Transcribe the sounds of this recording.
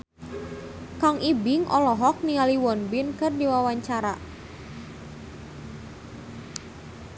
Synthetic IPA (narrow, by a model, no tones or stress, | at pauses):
kaŋibɪŋʔɔlɔɦɔk̚nialiwɔnbɪnkɨrdiwawaɲt͡ʃaɾa